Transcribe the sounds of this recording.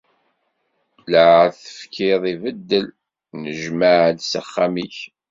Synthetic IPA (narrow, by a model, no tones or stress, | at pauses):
ləʕθə̥fkʰɪðˤivəd̪ːəl | nəʒməʕlsəχːamiç